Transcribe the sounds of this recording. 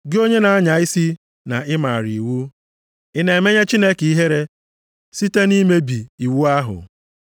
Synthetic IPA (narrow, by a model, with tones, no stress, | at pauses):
ɡɪ˦o˦ɲe˦na˨a˦ɲa˨ɪ˦si˦ | na˨ɪ˦ma˨ɾḭ˨wu˦ | ɪ˦ne˨e˨me˦ɲe˦t͡ʃi˦ne˦ki˦ɦe˦ɾe˦ | si˦te˦ni˦me˦bi˨i˨wu˦a˦ɦʊ̰˨